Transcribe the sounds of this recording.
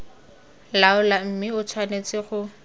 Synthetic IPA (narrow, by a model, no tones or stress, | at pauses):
laʊlam̩mɪʊt͡sʰwanet͡sʼɪχʊ